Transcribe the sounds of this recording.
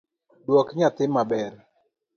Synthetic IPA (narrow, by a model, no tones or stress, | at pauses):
dwɔkɲat̪ɪmːabɛr